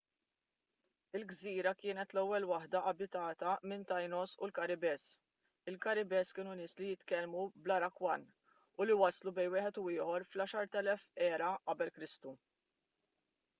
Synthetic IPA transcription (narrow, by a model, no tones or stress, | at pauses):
ɪlɡziːɾɐkɪːnɛt̪lɛwːɛlwɐħd̪ɐʔɐbɪt̪ɐːt̪ɐmɪnt̪ɐjnɔsʊlkɐɾɪbɛːs | ɪlkɐɾɪbɛːskɪːnunɪːslijɪt̪kɛlmublɐɾɐkwɐn | ʊliwɐslubɛjnwɪːħɛt̪uɪːħɔɾflɐːʃɐɾt̪ɛlɛfɛːɾɐʔɐbɛlkɾɪst̪u